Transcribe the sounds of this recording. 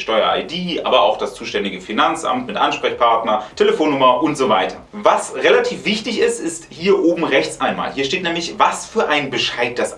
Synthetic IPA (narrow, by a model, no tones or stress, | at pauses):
ʃtɔʏɐa̰ɪdiːʔa̰ːbɐa̰ʊxd̥ast͡suːʃtɛndɪɡəfinant͡sʔa̰mtmɪtʔanʃpʁ̥ɛçpʰaɐtnɐtʰeləfoːnːʊmɐʔʊntz̥ova̰ɪtʰɐ | vasʁelatʰiːfv̥ɪçtɪçɪstɪsthiːɐʔoːbm̩ʁɛçt͡sʔaɪnma̰ːlhiːɐʃteːtnɛːmlɪçvasfyːɐʔaɪnbəʃaɪt̚d̥as